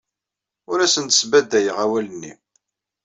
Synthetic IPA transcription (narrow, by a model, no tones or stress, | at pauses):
ʊɾæsənt̪ə̥sbæd̪æjəʁæwælənːḭ